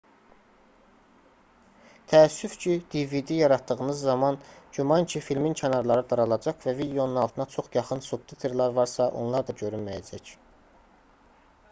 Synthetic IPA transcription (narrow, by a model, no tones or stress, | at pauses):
t̪ʰæːsːyfcʰid̪̥ivid̪ijɑɾɑt̪d̪ɯɣɯnɯzːɑmɑnd͡ʒumɑncʰifilmincʰɑnɑɾlˠɑɾɯd̪ɑɾɑlˠɑd͡ʒɑkvævid̪eo̞nunɑlˠt̪ʰɯnɑt͡ʃʰo̞χjɑχɯnsukt̪ʰit̪ʰe̞ɾlæɾvɑɾsɑʔo̞̰nlˠɑɾd̪ɑɟø̞ɾynmæjæ̰d͡ʒæc